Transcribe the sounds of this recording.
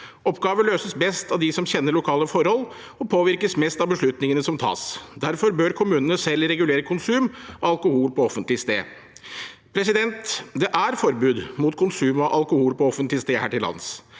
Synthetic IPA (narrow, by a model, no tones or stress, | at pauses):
ɔpɡɑːʋəløːsəsbɛst̪ɑʋd̪ɪsɔmçɛnːəɾɭʊkʰɑːləfɔɾhɔlː | ɔpʰoːʋɪɾkəsmɛst̪ɑʋbəʂɭʉt̪nɪŋənəsɔmt̪ʰɑ̰ːsd̪æɾfɔɾbøːɾkʰʊmʉːnənəsɛlːɾɛɡʉleːɾəkʰʊnsʉːmɔɑlkʊhuːlpɔɔfənt̪lɪst̪eː | pʰɾɛs̬ɪd̪ɛnt̪d̪ɛʔæɾfɔɾbʉːd̪mʊt̪kʰʊnsʉːmɔʔɑlkʊhuːlpɔɔfənt̪lɪəst̪eːhæːʈɪlɑ̰ns